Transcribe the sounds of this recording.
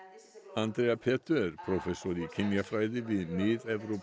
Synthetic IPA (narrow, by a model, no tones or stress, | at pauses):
and̪ɾeːapʰeːt̪ʰəɾpʰɾʊfɛsʊɾiːkʰɪnjafɾaɪðɪʋiːneːd̪ɛʋɾʊp